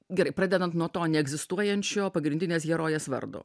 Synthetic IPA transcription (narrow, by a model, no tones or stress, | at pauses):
ɡʲɛɾɐɪpɾɑːd̪ʲɛd̪ɐnt̪nuɔt̪oːnʲɛɛɡzʲɪst̪uɔjɛnʲt͡ʃʲoːpɐɡɾʲɪnʲdʲɪnʲeːs̬ɡʲɛɾoːjɛsʋɐ̰ɾd̪o̰ː